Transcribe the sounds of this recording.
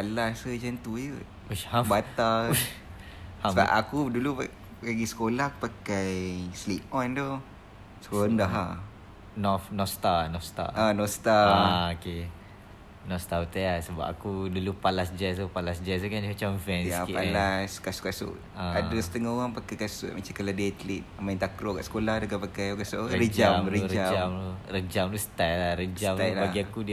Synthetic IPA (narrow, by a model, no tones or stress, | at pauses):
palasəd͡ʒant̪ujə | uhabat̪alu | afa̰ʔa̰kudulua | kaɡisə̥kolahku̥pakajsliʔ̚ɔnd̪o | skondaɦa | nɔfnɔst̪anɔfst̪a̰anɔst̪aaoke | nɔst̪aut̪aasəba̰pakudulupalasd͡ʒɛsupalasd͡ʒɛsukand͡ʒmat͡ʃamvɛnjaskialaskasʊʔkasʊ̰ʔ | aadasə̥t̪əŋahoɣaŋpakajkasʊ̰ʔ̚mat͡ʃamkaladeat̪əlit̪̚maĩnt̪akɾoka̰ʔsə̥kolahdakapakajokasʊʔɾəɾəd͡ʒamlɾəuɾəad͡ʒamlurəd͡ʒamlusə̥t̪ajlahɾəd͡ʒamt̪ajlbaɡiakud